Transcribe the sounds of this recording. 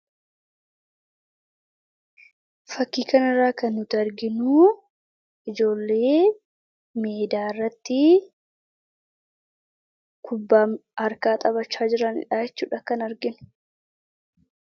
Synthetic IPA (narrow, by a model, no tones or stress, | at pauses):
fɐkːiːkɐnɪrːaːkɐnːʊt̪ɪɐɾɡɪnuː | ɪd͡ʒo̞ːlːe̞ː | meːd̪aːɪrːɐt̪ːɪ | kʰʊbːaːɐɾkaːt̪ʼɐβɐt͡ʃːaːd͡ʒɪɾɐnɪ̰ᶑaːjɛt͡ʃːṵːᶑɐkɐnɐɾɡɪnʊ̥